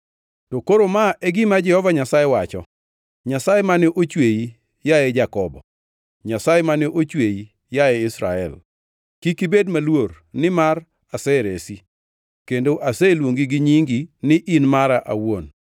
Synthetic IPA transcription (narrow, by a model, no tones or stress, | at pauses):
tokoɾomaʔɛɡɪmad͡ʒɛhɔvaɲasajewat͡ʃɔ̰ | ɲasajemaneʔot͡ʃweji | jaɛd͡ʒakɔbɔ | ɲasajemanɛʔot͡ʃweji | jaeɪsɾa̰ɛ̰l | kikibedmalwor | nɪmar | asɛɾesi | kendoʔasɛlwoŋɡiɡɪɲiŋɡinɪʔinmaɾaʔa̰won